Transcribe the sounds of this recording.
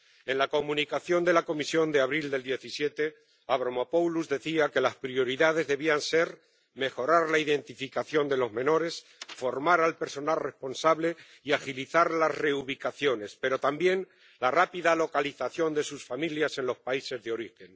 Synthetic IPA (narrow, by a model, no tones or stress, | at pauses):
e̞nlako̞mũnikaθjo̞nd̪e̞lako̞misjo̞nd̪eaβɾild̪e̞ld̪je̞θisje̞t̪e̞ | aβ̞ɾomapowluzðe̞θiake̞laspɾio̞ɾiðað̞e̞zðe̞βianse̞ɾ | me̞xo̞ɾaɾlaiðe̞nt̪ifikaθjo̞nd̪e̞lo̞zmẽ̞no̞ɾe̞s | fo̞ɾmaɾalpe̞ɾso̞nalre̞spo̞nsaβle̞ | iaxiliθaɾlasre̞uβ̞ikaθjo̞ne̞spe̞ɾo̞t̪ambje̞n | larapiðalo̞kaliθaθjo̞nd̪e̞susfamiljase̞nlo̞spaise̞zðeo̞ɾixe̞n